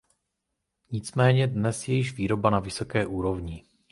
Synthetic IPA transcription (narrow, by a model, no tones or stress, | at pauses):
ɲɪt͡smɛːɲɛdnɛsjɛjɪʒviːɾo̞banavɪso̞kɛːʔuːɾo̞vɲɪ